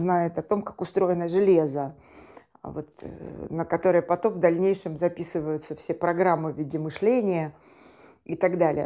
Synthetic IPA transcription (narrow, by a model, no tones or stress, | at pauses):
znajɪt̪ɐt̪o̞mkakʊst̪ɾo̞jɪnəʐɨlʲe̞zə | vo̞t̪nəkɐt̪o̞ɾəjəpɐt̪o̞mvd̪ɐlʲnʲejʂɨmzɐpʲisɨvəjʊt̪səfsʲepɾɐɡɾamːɨvʲidʲɪmɨʂlʲenʲɪjə | ɪt̪ɐɡd̪alʲɪ̰jə̰